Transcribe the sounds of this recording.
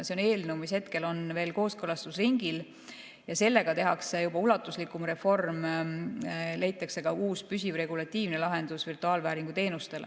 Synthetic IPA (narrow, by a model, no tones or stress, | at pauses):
seo̞ne̞ːlnewmishe̞t̪ke̞lo̞nve̞ːlko̞ːskɤlɑst̪usriŋɡ̥il | jɑse̞lːe̞ɡ̥ɑt̪e̞ɦɑksejubɑulɑt̪ːˑuslikːˑumre̞fo̞rm | le̞jt̪ːˑɑkse̞ɡ̥ɑuːspysivre̞ɡ̥ulɑt̪ʲːˑiːvne̞lɑɦe̞nd̪̥usvirt̪uɑːlvæːɾiŋɡ̥ut̪e̞ːnust̪e̞lḛ